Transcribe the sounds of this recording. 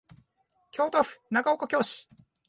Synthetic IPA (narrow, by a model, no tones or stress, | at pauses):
kʲo̞ːt̪oɸɯ̟̥naɡaokokʲo̞ːɕi̥